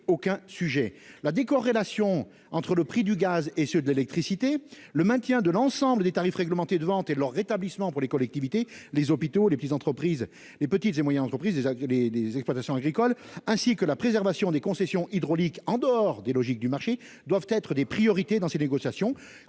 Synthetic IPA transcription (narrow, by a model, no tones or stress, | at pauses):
okɛ̃syʒɛlad̪ekɔʁːelasjɔ̃ | ɑ̃t̪χələpχid̪yɡazesød̪əlelɛk̚t̪χisit̪e | ləmɛ̃t̪jɛ̃d̪əlɑ̃sɑ̃bləd̪et̪aʁifʁɛɡləmɑ̃t̪ed̪əvɑ̃t̪elœʁːet̪ablismɑ̃puʁlekɔlɛk̚t̪ivit̪elezɔpit̪olepət̪it̪zɑ̃t̪χəpχiz | lepət̪it̪zemwajɛnɑ̃t̪χəpχizlelelezɛksplwat̪asjɔ̃aɡʁikɔlɛ̃sikəlapχezɛʁvasjɔ̃d̪ekɔ̃sɛsjɔ̃ʔid̪ʁɔlikɑ̃d̪əɔʁd̪elɔʒik̚d̪ymaʁʃe | d̪wavt̪ɛt̪χəd̪epχijɔʁit̪ed̪ɑ̃seneɡɔsjasjɔ̃